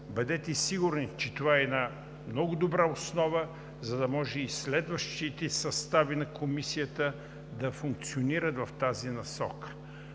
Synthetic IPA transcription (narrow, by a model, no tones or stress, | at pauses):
bəd̪ɛt̪ɛsiɡʊɾnit͡ʃɛt̪ovaɛːna | mnɔɡʊd̪obɾaosnɔvə | zɐd̪ɐmɔʒɛislɛd̪vəʃt̪it̪ɛsɐst̪avinɐkomisijət̪ə | d̪ɐfuŋk̚t̪sioniɾət̪vɐft̪azinɐsɔkə̥